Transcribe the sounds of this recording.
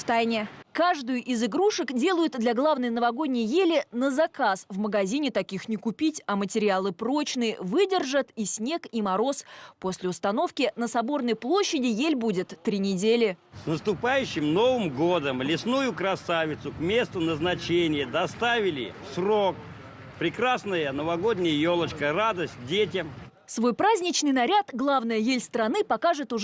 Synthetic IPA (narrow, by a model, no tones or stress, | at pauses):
ft̪ajnʲɪkaʐd̪ʊjʊʔizɨɡɾuʂɨkdʲe̞lˠʊjʊt̪̚d̪lʲɐɡlˠavnəjnəvɐɡo̞dʲnʲɪjjelʲɪnəzɐkasvməɡɐzʲinʲɪt̪ɐkʲixnʲɪkʊpʲitʲɐmətʲɪɾʲɪalˠɨpɾo̞t͡ɕnɨɪvɨdʲɪrʐət̪isʲnʲe̞kimɐɾo̞spo̞sʲlʲɪʊst̪ɐno̞fkʲɪnəsɐbo̞rnəjplˠo̞ɕːɪdʲɪjelʲbudʲɪt̪ːɾʲinʲɪdʲelʲɪsnəst̪ʊpajʉɕːɪmnovɨmɡod̪əmlʲɪsnujʊkɾɐsavʲɪt̪sʊkmʲe̞st̪ʊnəznɐt͡ɕenʲɪjəd̪ɐst̪avʲɪlʲɪ̰srok̚ | pɾʲɪkɾasnəjənəvɐɡod̪ʲnʲɪjəjolˠət͡ɕkəɾad̪əsʲt̚ʲdʲetʲɪm | svo̞jpɾazʲnʲɪt͡ɕnɨjnɐɾʲat̪ɡlˠavnəjəjelʲst̪ɾɐnɨpɐkaʐɨt̪ʊʐ